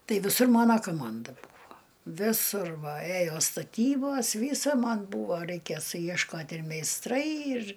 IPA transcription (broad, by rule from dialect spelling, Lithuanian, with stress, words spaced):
ˈtɐɪ ʋʲɪˈsʊr ˈmoːnɐ koːˈmɐndɐ ˈbuːʋoː ʋʲɪˈsʊr ʋɐ ˈeːjoː stɐˈtʲiːboːs ˈʋʲiːsɐ ˈmɐn ˈbuːʋoː rʲɛɪkʲeː sʊjiɛʃˈkoːtʲ ɪr mʲɛɪsˈtrɐɪ ɪr